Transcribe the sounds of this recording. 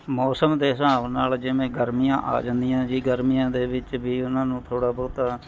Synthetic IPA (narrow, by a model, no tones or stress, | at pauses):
mɔːsəmd̪eːsãːʋnaːld͡ʒɪmẽːɡəɾmiːjã̰ːʔa̰ːd͡ʒənd̪ijãːd͡ʒiːɡəɾmiːjãːd̪eːʋɪt͡ʃbiːʊnãːnũːt̪ʰoːɽaːbɔːt̪a